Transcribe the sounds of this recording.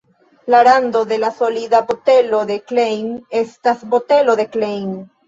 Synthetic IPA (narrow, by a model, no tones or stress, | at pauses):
laɾando̞de̞laso̞lidabote̞lo̞d̪e̞klejne̞stasbote̞lo̞de̞klejn